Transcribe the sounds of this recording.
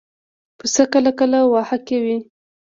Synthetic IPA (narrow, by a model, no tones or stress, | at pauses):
pəsəkəlakəlawɑhakewi